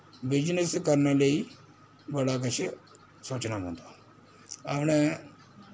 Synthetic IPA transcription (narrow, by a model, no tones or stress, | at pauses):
bɪd͡ʒnɪskəɾnaːləiː | bəɽaːkət͡ʃʰ | soːt͡ʃnaːmõːnd̪aː | əpnẽː